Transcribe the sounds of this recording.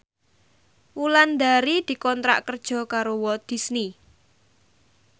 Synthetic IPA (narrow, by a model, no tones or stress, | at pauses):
wuland̪aɾid̪̥i̤kɔnt̪ɾa̰ʔkərd̥ʒ̥ɔ̤kaɾowɔd̪̥i̤sni